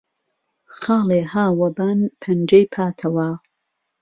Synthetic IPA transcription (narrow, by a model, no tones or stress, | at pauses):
xɑːleːhaːwɐbanpʰɐnd͡ʒɐjpʰaːt̪ʰɐwa